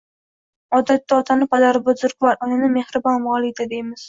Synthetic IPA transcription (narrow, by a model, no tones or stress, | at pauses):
ɒd̪at̪ːaɒt̪ʰanɪpad̪aɾbʊzʊɾkvaɾʊnɪnɪmehɾɪbɒnmɒlˠɪd̪ad̪ejmɪz̥